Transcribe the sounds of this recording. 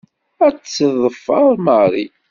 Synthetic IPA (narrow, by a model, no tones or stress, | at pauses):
æt͡sːðˤəfːəɾˤməɾˤḭ